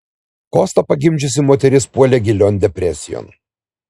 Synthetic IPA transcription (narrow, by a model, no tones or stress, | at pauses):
koːst̪ɐpɐɡʲɪmʲd͡ʒʲʊs̬ʲɪmoːt̪ʲɛɾʲɪspuɔlʲeːɡʲɪlʲonʲd̪ʲɛpʲɾʲɛsʲɪjo̰n